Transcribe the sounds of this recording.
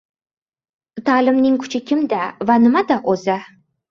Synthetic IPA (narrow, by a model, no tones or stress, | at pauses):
t̪ʰaːlɪmnɪŋkʲʰʊ̥t͡ʃʰɪkʲʰɪmd̪avanɪmad̪aʔoza